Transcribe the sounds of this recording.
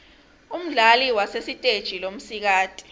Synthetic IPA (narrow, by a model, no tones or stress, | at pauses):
um̩ɮaliwasesitʼed̥ʒ̥ʱilom̩sik̬aːtʼi̥